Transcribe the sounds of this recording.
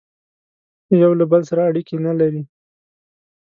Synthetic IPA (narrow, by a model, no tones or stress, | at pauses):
jawlabəlsaɾaːɽikenalaɾi